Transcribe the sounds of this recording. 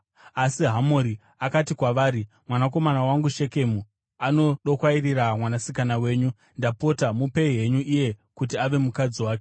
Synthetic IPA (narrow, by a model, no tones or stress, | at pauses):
asiɦamoɾi | akatikwaʋaːɾi | mwanak̬o̞manawaŋɡuʃe̞ke̞mu | ano̞ɗo̞kwairiramwanasikanawe̞ːɲu | ndapo̞tamupe̞iɦe̞ɲuʔije̞kutiaʋe̞mukad͡ziwaːke